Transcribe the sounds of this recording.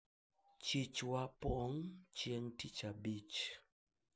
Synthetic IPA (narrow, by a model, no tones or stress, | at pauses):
t͡ʃit͡ʃwapɔŋt͡ʃjeŋtit͡ʃabit͡ʃ